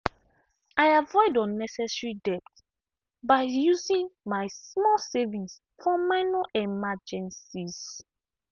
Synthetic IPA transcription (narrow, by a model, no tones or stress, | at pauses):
ajavɔɪdɔ̃nːɛsɛsɹidɛp̚t | baɪjuzĩŋmajsmɔsɛvĩns | fɔmaɪnɔɛmad͡ʒɛ̃nsiz